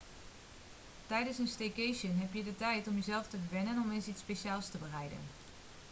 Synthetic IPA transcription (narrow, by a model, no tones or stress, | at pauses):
tɛjdənsənstejkejʃənɦɛpjədətɛjtɔmjəzɛlˠftəʋɛnənɔmensitspejʃaːlˠstəbərɛjdə̰n